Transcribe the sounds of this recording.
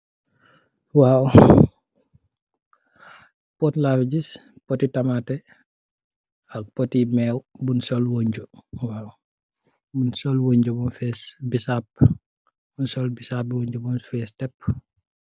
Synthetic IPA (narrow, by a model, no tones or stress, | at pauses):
waːw | pɔtlaɾɟispɔtitɐmatɛ | ɐk̚pɔtimɛːwbunsɔlwoɲɟowaːw | bunsɔlwoɲɟobɔnfɛsbisap̚ | bunsɔlbisap̚woɲɟobɔnfɛːstɛp̚ː